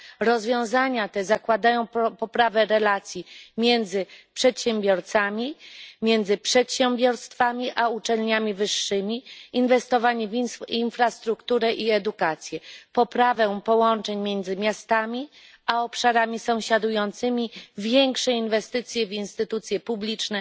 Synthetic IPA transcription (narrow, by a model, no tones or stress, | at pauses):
ɾɔzvʲjɔ̃w̃zaɲat̪ɛzakwad̪ajɔ̃w̃pɔpɾavɛɾɛlat̪sʲjimʲjɛnd̪zɘpʂɛt̪ɕɛmbʲjɔɾt̪samʲimʲjɛnd̪zɘpʂɛt̪ɕɛmbʲjɔɾst̪famʲiʔaut͡ʂɛlɲamʲivɘʂːɘmʲiinvɛst̪ɔvaɲivininfɾast̪ɾukt̪uɾɛʔiɛd̪ukat̪sʲjɛpɔpɾavɛ̃pɔwɔnt͡ʂɛɲmʲjɛnd̪zɘmʲjast̪amʲi | aɔpʂaɾamʲisɔ̃w̃ɕad̪ujɔnt̪sɘmʲivʲjɛŋkʂɛinvɛst̪ɘt̪sʲjɛvinst̪ɘt̪ut̪sʲjɛpublʲit͡ʂnɛ